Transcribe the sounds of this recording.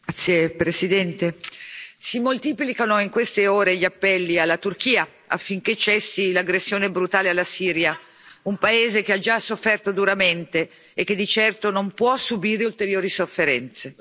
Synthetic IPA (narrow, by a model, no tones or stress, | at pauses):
t̪sːjepɾesid̪ɛnt̪e | simolt̪iːplikanoiŋkwest̪eoːɾeʎːiapːɛlːialːat̪urk̟iːa | a̰fːiŋk̟et͡ʃɛsːilaɡɾesːjoːnebɾut̪aːlealːasiːɾja | umpaeːzekead͡ʒasofːɛrt̪od̪uɾament̪eː | kːed̪ːit͡ʃɛrt̪onompwɔsubiːɾeult̪eɾjoːɾisofːeɾɛnt̪se